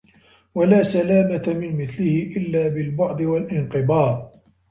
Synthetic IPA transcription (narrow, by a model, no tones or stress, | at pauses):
walaːsalaːmat̪amɪnmɪθlɪhɪʔɪlːaːbɪlbʊʕd̪ˤɨwalʔɪnqɨbɑːɾˤ